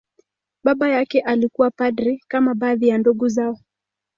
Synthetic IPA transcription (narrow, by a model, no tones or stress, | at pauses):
ɓaɓajakɛʔalikuwapadɾikamaɓaːðijanduɡuzaɔ